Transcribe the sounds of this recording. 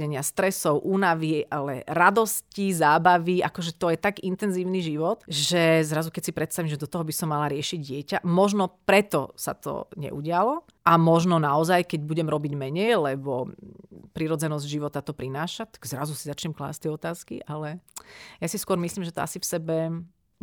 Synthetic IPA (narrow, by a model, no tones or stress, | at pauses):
ɛɲɪast̪ɾɛsɔʊʔuːnaʋiʔalɛ̰ɾad̪ɔscizaːbaʋiakɔʒɛt̪ɔjɛt̪aɡint̪ɛnziːʊniʒiʋɔt̪ʒɛzɾazukɛcsipɾɛt̪st̪aʋimʒɛd̪ɔt̪ɔɦɔbisɔmːalaɾɪɛʃiɟɪɛcamɔʒnɔpɾɛt̪ɔsa̰t̪ɔ̰ɲɛ̰ʔṵɟɪalɔ | ʔamɔʒnɔnaɔzajkɛɟbuɟɛmɾɔbiɟmɛɲɛjlɛbɔ | pɾiɾɔd͡zɛnɔzɟʒiʋɔt̪at̪ɔpɾinaːʃat̪ḁɡ̥zɾa̰zusizat͡ʃɲɛmkla̰ːst̪ɪɛɔt̪aːskḭʔalɛjasiskʊɔɾmislimʒɛt̪ɔa̰sifsɛbɛ